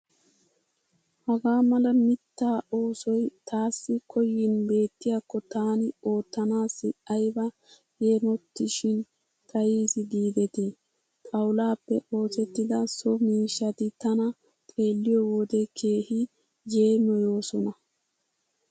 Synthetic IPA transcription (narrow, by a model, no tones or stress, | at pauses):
hɐɡaːmɐlɐmɪt̪ːaːo̞ːsɔjt̪aːsːɪkʰɔjːɪnbe̞ːt̪ːɪjaːkːɔt̪aːnɪo̞ːt̪ːɐnaːsɪʔɐjbɐ | jeːmɔt̪ːɪʃɪn | t̪ʼɐjiːsɪd̪iːd̪ɛt̪i | t̪ʼɐwlaːpːɛʔo̞ːsɛt̪ːɪd̪ɐsɔmiːʃːɐt̪ɪt̪ɐnɐ | t̪ʼe̞ːlːɪjɔwɔd̪ɛkʰe̞ːhɪ | d͡ʒe̞ːmɔjo̞ːsɔnɐ